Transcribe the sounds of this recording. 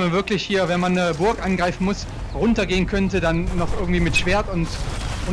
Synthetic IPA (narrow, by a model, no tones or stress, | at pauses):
manvɪɐklɪçhiːɐvɛnmanːəbʊɐkʔanɡʁaɪfn̩mʊs | ʁʊntɐɡeːənkʰœntədanːɔχʔɪɐɡŋ̩tv̥iːmɪtʃv̥eːɐtʊntʊ